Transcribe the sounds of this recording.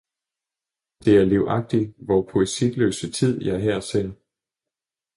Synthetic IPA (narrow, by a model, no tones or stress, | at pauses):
d̥e̝æɐleʊʔɑ̈ɡ̥̚d̥iʋɒpʰo̝esi̥lø̰ːsət͡sʰið̞̰ˠjɑ̈ɐɦɛɐ̰sen